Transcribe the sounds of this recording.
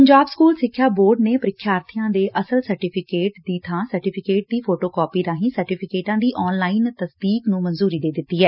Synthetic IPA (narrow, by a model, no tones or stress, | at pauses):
pəɲd͡ʒaːbskuːlsɪkʰːjaːboːɾɖneːpəɾɪkʰːjaːɾt̪ʰɪjãːd̪eːʔəsəlsəɾʈɪːpʰɪkeːʈd̪iːt̪ʰãːsəɾʈɪːpʰɪkeːʈ̚d̪iːpʰoːʈoːkɔːpiːɾaːɦĩːsəɾʈiːpʰɪkeːʈãːd̪iːʔɔːnlaːint̪əsd̪iːknũːmənzuːɾiːd̪eːd̪ɪt̪ːiːɦɛː